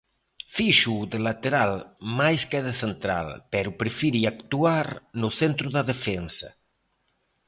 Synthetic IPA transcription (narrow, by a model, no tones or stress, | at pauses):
fiʃuðelat̪eɾalmajskeðeθent̪ɾa̰lpɛɾupɾefiɾiakt̪uaɾnoθent̪ɾuðaðefɛnsɐ̰